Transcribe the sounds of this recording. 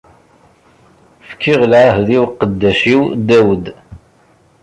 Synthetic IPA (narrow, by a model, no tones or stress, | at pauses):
fkʰːiʁlʕaɦðiwqːəd̪ːæʃiwd̪æwəd̪